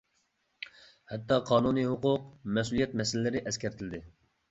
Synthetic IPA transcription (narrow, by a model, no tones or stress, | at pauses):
hɛt̪ːɑqʰɑːnuniɦʊqʊq̚mɛsulˠijɛt̪̚mɛsɪlɪlɪɾɪʔɛskʲɛɾt̪ʰɪlɪd̪ɪ